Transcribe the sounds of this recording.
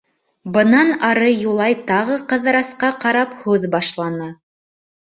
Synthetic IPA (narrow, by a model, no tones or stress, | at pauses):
bɤ̆nɑnɑɾɤjulˠɑjt̪ɑʁɤqɤ̆ðɤ̆ɾɑsqɑqɑɾɑphʉðbɑʃlˠɑnɑ